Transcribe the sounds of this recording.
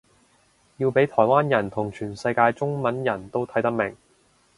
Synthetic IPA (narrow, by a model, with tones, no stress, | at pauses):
jiː˧wpe˨˥jt̪ʰɔː˨˩jwaː˥njɐ˨˩nt̪ʰʊ˨˩ŋt͡ʃʰyː˨˩nsɐ˧jkaː˧jt͡sʊ˥ŋmɐ˨˥njɐ˨˩nt̪o˥wt̪ʰɐ˨˥jt̪ɐ˥k̚mɪ˨˩ŋ